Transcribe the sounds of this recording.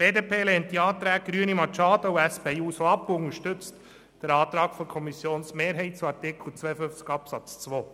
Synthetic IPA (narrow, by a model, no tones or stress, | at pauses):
b̥eːdeːpʰeːlɛːntːiɑːt̪ɾæːk̚ɡɾyənimɑt͡ʃɑːdəuæspeuːsoɑpːʊŋəʃtʏt͡st | d̥əɾɑːt̪ɾɑːkfɔkʰɔmisjoːnsmeːɾɦɛɪt̚t͡suɑɾtɪkʰl̩ˠt͡sʋɛjəfʏft͡skɑpsɑt͡st͡sʋoː